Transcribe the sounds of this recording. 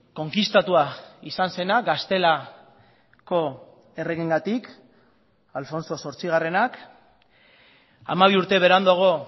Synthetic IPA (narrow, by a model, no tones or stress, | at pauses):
ko̞ŋkist̪at̪uaisanse̞naɡast̪e̞la | ko̞ | e̞re̞ɣiŋɡat̪ik | alfo̞nso̞so̞ɾt͡siɣare̞nak | a̰maβiuɾt̪e̞βe̞ɾand̪oɣ̞o